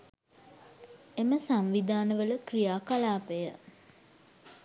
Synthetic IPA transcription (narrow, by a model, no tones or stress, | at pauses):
eməsamʋid̪ʱaːnəʋələkrijaːkalaːpejə